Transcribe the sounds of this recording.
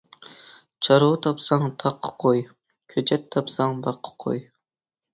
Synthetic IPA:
t͡ʃʰɑɾut̪ʰɑpsɑŋt̪ʰɑqʰːqʰoj | kʲʰøt͡ʃʰɛt̪ʰːɑpsɑŋbɑqʰːqʰo̰j

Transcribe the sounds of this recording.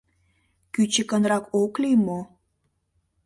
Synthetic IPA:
kyt͡ɕəkənrɑkoklijmo

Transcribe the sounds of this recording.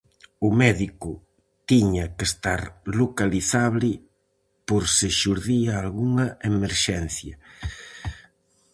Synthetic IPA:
ʊmɛðikʊ | t̪iɲɐkest̪aɾlokaliθaβlɪ | poɾseʃuɾðiaːlɣuŋɐemeɾʃɛn̟θjɐ

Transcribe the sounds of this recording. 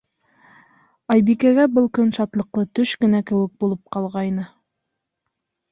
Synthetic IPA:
ɑjbikæɡæbɤlˠkɵnʃɑt̪lˠɤ̆qlˠɤt̪ɵʃkɘ̆nækɘ̆wɘk̚bulˠɤp̚qɑlˠʁɑjnɤ

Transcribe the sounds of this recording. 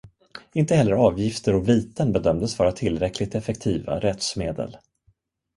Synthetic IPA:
ɪnt̪əhɛlːəɾɑːvjɪft̪əɾɔviːt̪ənbɛd̪œmd̪əsvɑːɾat̪ʰɪlːɾɛkʰlɪɡ̚t̪ɛfɛkt̪ʰiːva̰ɾɛt̪smeːd̪ə̰l

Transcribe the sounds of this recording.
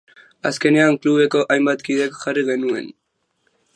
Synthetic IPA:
ɐ̰skenejaːŋkluβekoʔajmbat̪kid̪ekxɐɾiɣenuḛn

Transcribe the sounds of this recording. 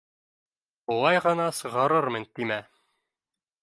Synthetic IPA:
ulˠɑjʁɤ̆nɑsɤ̆ʁɑɾɤɾmɤ̆nt̪imæ

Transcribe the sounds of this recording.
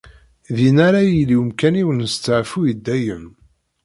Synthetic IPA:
ðinaɾajiliwəmkæniwənəst͡sːəʕfujəd̪ːæjəm

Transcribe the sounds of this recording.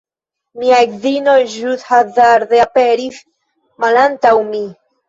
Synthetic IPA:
miazino̞jʒushazaɾd̪eape̞ɾis | malantawmi

